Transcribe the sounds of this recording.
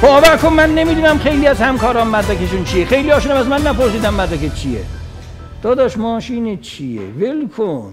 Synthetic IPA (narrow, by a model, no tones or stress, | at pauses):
bɒːbækʰonmænːe̞miːd̪uːnæmχe̞jliːæzhæmkʰɒːɾɒːnmæd̪dækʲeʃunt͡ʃʰijexe̞jliɒːʃuːnæmæzmænːæpoɾs̬iːd̪æmːæd̪ækʰet͡ʃʰijḛ | d̪̥ɒːd̪ɒːʃmɒːʃiːnet͡ʃʰijḛvelkʰon